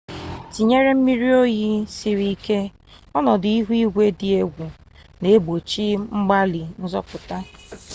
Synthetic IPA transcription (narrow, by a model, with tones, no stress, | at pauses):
ti˨ɲe˦ɾe˦m̩˦mi˦ɾi˦o˦ji˦si˨ɾi˦i˦ke˦ | ɔ˦nɔ˨dɪ˨i˦ɦu˦i˦ɡʷe˦dɪ˨e˦ɡʷu˨ | ne˨˦bo˨t͡ʃi˦ŋ͡m̩˦ɡ͡ba˦li˨n̩˦zɔ˦pʊ˨ta˦